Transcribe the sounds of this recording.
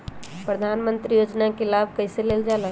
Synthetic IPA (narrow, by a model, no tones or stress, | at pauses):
pɾəd̪ʱanmə̃nt̪ɾijoːd͡ʒnakelabʱkəɪseleːld͡ʒaːla